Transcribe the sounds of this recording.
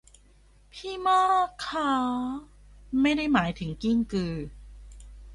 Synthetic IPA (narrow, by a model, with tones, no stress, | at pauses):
pʰiː˥˩mɔː˥˩kʰɔː˧˩˦ | ma˥˩jda˥˩jmaː˩˦jt̪ʰɯ˩˦ŋki˥˩ŋkɯː˧